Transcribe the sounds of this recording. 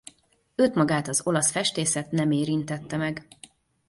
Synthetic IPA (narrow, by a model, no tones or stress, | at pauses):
øːt̪mɒɡaːt̪ɒzo̞lɒsfɛʃt̪eːsɛt̪nɛmeːɾint̪ɛt̪ːɛmɛɡ